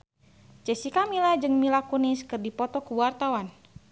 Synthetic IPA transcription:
t͡ʃɛsikamilad͡ʒɨŋmilakuniskɨrdipɔt̪ɔkuwart̪awan

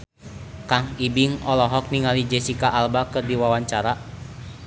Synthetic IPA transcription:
kaŋibiŋɔlɔɦɔk̚niŋalid͡ʒɛsikaʔalbakɨrdiwawaɲt͡ʃaɾa

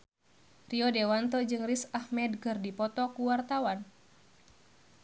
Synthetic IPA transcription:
riɔdewant̪ɔd͡ʒɨŋrisahmɛdkɨrdipɔt̪ɔkuwart̪awan

